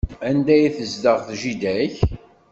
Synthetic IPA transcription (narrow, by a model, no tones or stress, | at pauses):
ænd̪æjiθəzd̪əʁθʒid̪æç